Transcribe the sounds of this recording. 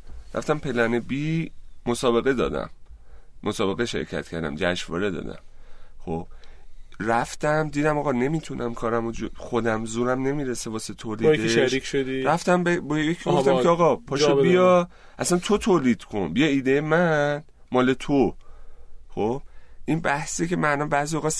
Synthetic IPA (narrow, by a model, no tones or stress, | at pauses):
ɾæ̰ft̪æmpʰe̞lænebiːmo̞sɒːbe̞ɣe̞d̪ɒ̰ːd̪æ̰mː | osɒːbe̞ɣeʃe̞̰ɾcʰæ̰t̪cʰæɾd̪æ̰md͡ʒæʃvɒ̰ːɾe̞d̪ɒ̰ːd̪æ̰mxob̥ | ræft̪æmd̪iːd̪æmɒːɣɒne̞mit̪ʰunʔæmkʰɒːɾæmod͡ʒoxo̞d̪æmzuːɾæmne̞miːɾesevɒːset̪ʰoːlideɾiʃod̪iɾæft̪æmbebɒjeecʰofæmʰeɒːɣɒpʰɒʃebijɒ | ʔæsænt̪ʰo̞t̪ʰoːliːd̪̥kʰo̞nbijɒiːd̪ejemæn | mɒːle̞t̪ʰo | xo̞b̥ʔinbæhsice̞mænɒmbæzijoɣɒs